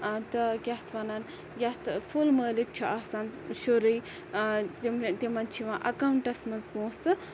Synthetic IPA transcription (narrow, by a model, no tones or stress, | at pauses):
t̪ɐkʲɐht̪ʰʋɐnɐn | jʲɐt̪ʰfʰulməːlik̚t͡ʃʰiʔaːsaːnʃoɾəj | mt̪imɐnt͡ʃʰiʋãːʔɐkawuɳʈɐsmɐnzbõːsɨ